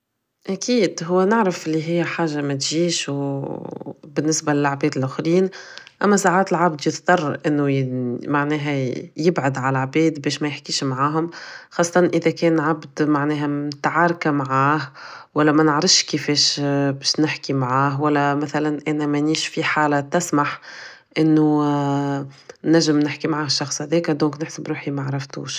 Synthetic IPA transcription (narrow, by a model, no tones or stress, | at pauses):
ʔækiːd̪ɦʊwːænɪʕɾɪfʔɪlːiɦɪjːħaːʒːamæt̪ʒiːʃw | bɪnːɪsbalɪlʕbɛːd̪ɪlʔʊxɾiːn | ʔæmːæsaʕaːt̪ɪlʕabd̪jɪθt̪ɑrˤʔɪnːumaʕnɛːɦæjɪbʕʊd̪ʕalʕbɛːd̪bɛːʃmɛjɪħkiːʃmʕaːɦʊmxɑːsˤːɑt̪ɑnʔəðɛkɛːnʕabd̪maʕnɛːɦæmt̪aʕaːɾˤkamaʕaːhwælːæmænəʕɾˤɑfʃkifɛːʃbɛːʃnɪħkimaʕaːɦwælːæmæθælænʔænæmæniːʃfiħaːlat̪ɪsmaħ | ʔɪnːu | næʒːɪmnɪħkimaʕaːhʃːɑxsˤhæðɛːkæd̪õːknɪħsəbɾuːħimaʕɾˤɑft̪ṵːʃ